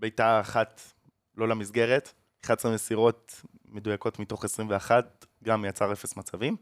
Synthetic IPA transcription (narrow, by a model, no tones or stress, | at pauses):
bejtaːχat | lo̞lamizɡe̞ʁet | eχasamesiʁo̞t̚ | me̞dujako̞tmito̞χesʁimveaχat̚ | ɡamjat͡saʁefe̞smat͡savim